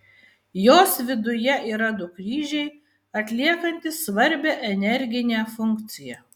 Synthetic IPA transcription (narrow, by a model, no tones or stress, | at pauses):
joːsʋʲɪd̪ʊjɛʔiːɾɐd̪ʊkɾʲiːʒʲɛɪ | ɐt̪ʲlʲiɛkɐnʲt̪ʲɪsʋɐɾʲbʲɛʔɛnʲɛɾʲɡʲɪnʲɛːˑfʊŋʲˑkt̪sʲɪjɛ